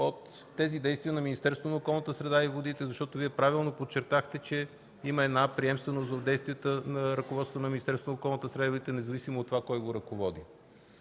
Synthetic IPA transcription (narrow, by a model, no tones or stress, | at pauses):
ot̪ː | ɛzid̪ɛjst̪vijənɐminist̪ɛɾsvonokɔlˠnət̪əsɾɛd̪aivod̪it̪ɛzɐʃt̪ɔt̪oviɛpɾavilˠnopot̪t͡ʃɛɾt̪axt̪ɛt͡ʃɛ | iməɛd̪napɾiɛmst̪vɛnost̪od̪ɛjst̪viɛt̪ənɐɾɐkovɔt̪ot̪onɐminist̪ɛɾsonokɔlˠnət̪əsɾɛd̪aivod̪it̪ɛnɛzɐvisimot̪ːovakɔjɡoɾɐkovɔd̪i